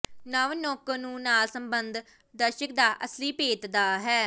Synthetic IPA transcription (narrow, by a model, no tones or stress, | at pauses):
nəʋnɔːkəɾnũːnaːlsəmbənd̪ | d̪əɾʃək̚d̪aːʔəsliːpeːt̪d̪aːɦɛː